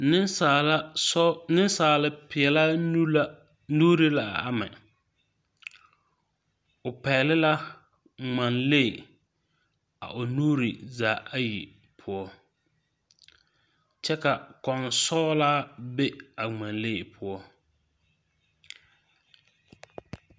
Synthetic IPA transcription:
nɪ˦a˨˦nɪ˦n˦saː˨lɪ˦pɪ˨ɛ˨la˦ | nuː˦ɾi˦la˨a˦mɛ˨ | ʊ˨pɛː˨lɪ˦la˦ | ŋ͡ma˨nle˦˨ | a̰˨ʔʊ˨nuː˦ɾi˨zaː˨ʔa˦jḭ˨ | pʰʊ˦ɔ˦ | t͡ʃɛ˦ka˨kɔ˨nsɔː˦la˦be˦a˨ŋ͡ma˨nle˦˨pʰʊ˦ɔ˦

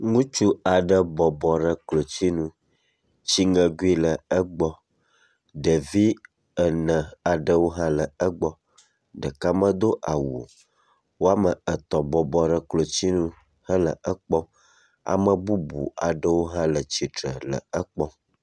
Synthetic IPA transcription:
ŋũ˦t͡ʃu˦a˨ɖə˨bɔ˨bɔ˨ɖə˦klo˨t͡ɕi˦nũ˦ | t͡ɕi˦ŋə̃˨ɡu˦i˦lə˨ə˦ɡ͡bɔ˦ | ɖə˨vi˦ | ə˨nə̃˨a˨ɖə˨wo˦ɦã˦lə˨ə˦ɡ͡bɔ˦ | ɖə˨ka˦mə̃˦d̪o˦ʔa˨wu˨o˨ | wo˦a˦mə˨ə˨t̪ɔ˨bɔ˨bɔ˨ɖə˨klo˨t͡ɕi˦nũ˦ | hə˦lə̰˨ʔə˦k͡pɔ˦ | a̰˨mə˨bu˦bṵ˨a˨ɖə˦wo˦ɦã˦lə˨t͡ɕi˨tɾə̰˨lə̰˨ə˦k͡pɔ˦

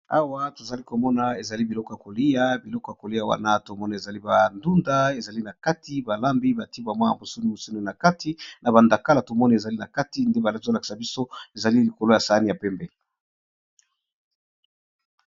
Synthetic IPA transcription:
a̰˦wa˦to˨za˨li˦ko˨mɔ˦na˨e˨za˨li˦bi˨lɔ˦kɔ˨ja˨ko˨li˦ja˦bi˨lɔ˦kɔ˨ja˨ko˨li˦a˨wa̰˦na˦to˨mɔ˦na˨e˨za˨li˦ba˨ndu˦nda˦e˨za˨li˦na˨ka˦tʰi˦ba˨la˦mbi˦ba˨ti˦bwa˨mwa˦ja̰˨bo˨su˦ni˦mo˨su˦nu˨na˨ka˦ti˦na˨ba˨nda˨ka˦la˨to˨mɔ˦ni˨e˨za˨li˦na˨ka˦ti˨˦nde˦ba˨la˦zo˦la˨ki̥˨sa˨bi˦so˦e˨za˨li˦li˨ko˨lo˦ja˨sa˨a˦ni˨ja˨pɛ˦mbɛ˦˨

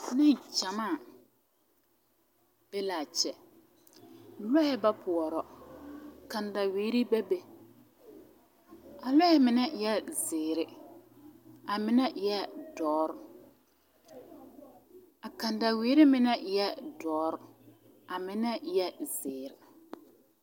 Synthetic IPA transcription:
nɪ˦n˨t͡ʃa˨maː˦˨ | b̥e˦laː˨t͡ʃɛ˨ | lɔ˦hɛ˦ba˦pʰʊ˨ɔ˨ɾɔ˨ | kã˨nda˨wiː˨˦ɾi˦bɛ˦be˨ | a˨lɔ˦hɛ˦mɪ˨nɛ˦jɛ˦zɪː˨ɾɪ˨ | a˨mɪ˦nɛ˦ʔjɛ˦dɔː˨˦ɾ | a˨ka˨nda˨weː˨˦ɾi˦mɪ˦nɛ˦jɛ˦dɔː˦ɾ | a˨mɪ˦nɛ˦jɛ˦zɪː˨ɾɪ˨

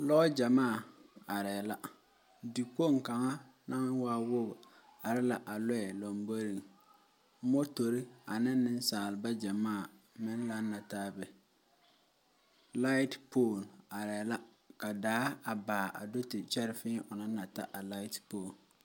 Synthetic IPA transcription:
lɔ˦d͡ʒa˨maː˦˨a˨ɾɛː˨la˦ | di˨ko˦˨ŋ˨ka˨ŋa˦ | na˦ŋ˦waː˦wʊ˦b | a˨ɾɪ˦la˨ʔa˨lɔ˦ɛ˨lo˨mbo˦ɾi˨ŋ˦ | mɔ˦to˨ɾɪ˦a˨nɪ˦nː˦ɪ˦n˦saː˨lɪ˨ba˦d͡ʒa˨maː˦˨ | mɪ˦n˦la˨˦nːa˨taː˦bɛ˨ | la˦ɪ˦tpo˦˨na˨ɾɛ˨la˦ | ka˨daː˦a˨baː˨ʔa̰˨do˦tɪ˨t͡ʃɛ˦ɾɪ˨fɪ˦ʔʊ˨na˦na˨ta̰˦ʔa˨la˦ɪ˦tpoː˨n

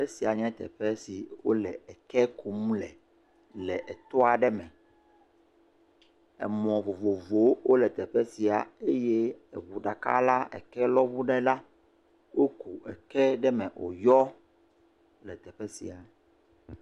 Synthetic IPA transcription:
e˦si˨a˨ɲɛ̃˦t̪ɛ̰˨ɸɛ˦si˨wo̰˦lɛ˨ɛ˨kɛ˦kʰu˨mũ˦lɛ˨ | lɛ˨ʔɛ˨t̪ɔ˦a˨ɖɛ˦mɛ̃˨ | ɛ̰˨mɔ̃˨vo˨vo˨vo˨˦wʔo˦lɛ˨t̪ɛ˨ɸɛ˦si˨a˨e˦je˦ɛ̰˨βu˨ɖa˨ka̰˦la˦ɛ̰˨kɛ˦lɔ˦βu˦ɖɛ˦la˦ | wo˦ku˨ʔɛ̰˨kɛ˦ɖɛ˦mɛ̃˨ʔo̰˨jɔ˦ | lɛ˨t̪ɛ˨ɸɛ˦sḭ˨a˨

